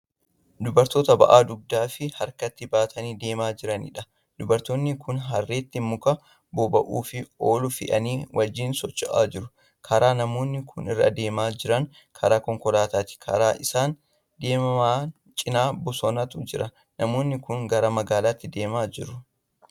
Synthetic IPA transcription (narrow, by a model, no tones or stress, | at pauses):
d̪ʊbɐɾt̪o̞ːt̪ɐbɐ̰ʔaːd̪ʊb̚d̪aːfɪhɐɾkɐt̪ːɪbaːt̪ʰɐniːd̪e̞ːmaːd͡ʒɪɾɐnɪ̰ᶑɐ | d̪̥ʊbɐɾt̪oːnːɪkʰʊnɦɐrːe̞ːt̪ːɪmʊkɐ | bobɐʔuːfɪoːlʊfɪ̰ʔɐ̰niːwʔɐd͡ʒːiːnsɔt͡ʃʼːɐʔa̰ːd͡ʒɪɾʊ | kʰɐɾaːnɐmo̞ːnːɪkʰʊnɪ̰rːɐ̰d̪e̞ːmaːd͡ʒɪɾɐŋ | kʰɐɾaːkɔŋkɔlaːt̪aːt̪ɪ̥kʰɐ̰ɾaːʔɪsaːn | d̪e̞ːmɐmaː | t͡ʃʼɪnaːbɔsɔnɐt̪ʊd͡ʒɪɾɐ | nɐmo̞ːnːɪkʊŋɡɐɾɐmɐɡaːlaːt̪ːɪd̪e̞ːmaːd͡ʒɪɾʊ